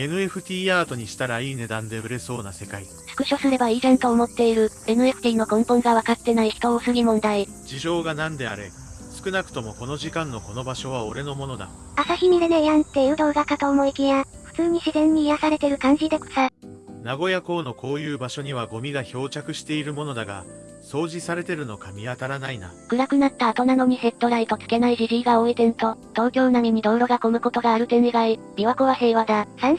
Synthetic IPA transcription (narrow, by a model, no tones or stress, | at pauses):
e̞nɯ̟e̞ɸɯ̟t̪ʲiːaːt̪o̞ɲ̟iɕi̥t̪aɾaiːne̞d̪ãnd̪e̞ɯ̟ɾe̞so̞ːnase̞kai | sɯ̥kɯ̟ɕo̞sɨɾe̞baiɾãnt̪o̞ːmo̞t̪ːe̞iɾɯ̟e̞nɯ̟e̞ɸɯ̥t̪ʲiːno̞kõ̞mpõ̞ŋɡaβakat̪ːe̞naiçi̥t̪o̞oːsɨɡʲimõ̞nd̪ai | d͡ʑiʑo̞ːɡanãnd̪e̞a̰ɾe̞̰ | sɨ̥kɯ̟nakɯ̟̥t̪o̞mo̞ko̞no̞ʑikãnːo̞ko̞no̞baɕo̞β̞ao̞ɾe̞no̞mo̞no̞d̪a̰ | asaçʲimʲid̪ene̞jãnt̪ːeɯ̟d̪o̞ːɡakat̪aomoikʲijaɸɯ̟̥t͡sɨːɲ̟iɕizẽ̞ɲ̟ːiːjasaɾe̞t̪e̞ɾɯ̟kãɲ̟d͡ʑid̪e̞ko̥sanaɡo̞jako̞ːno̞kʰo̞ːjɯ̟ːbaɕo̞ɲ̟iβaɡo̞mʲiɡaço̞ːt͡ɕakɯ̟ɕi̥t̪e̞iɾɯ̟mo̞no̞d̪aɡa̰ | so̞ːʑisaɾe̞t̪e̞ɾɯ̟no̞kamʲiat̪aɾanaina̰ɡ̥ɯ̟ɾakɯ̟nat̪ːaːt̪o̞nano̞m̟ʲise̞t̪ːo̞ɾait̪o̞t͡sɨ̥ke̞naiʑiɾiːɡao̞et̪ẽ̞nɯ̟t̪o̞t̪o̞ːkʲo̞ːnaɲ̟iɲ̟id̪o̞ːɾo̞ɡako̞mɯ̟ko̞t̪o̞ɡaːɾɯ̟t̪e̞neɡai | mʲiβakoβase̞ːβad̪asãɰ̃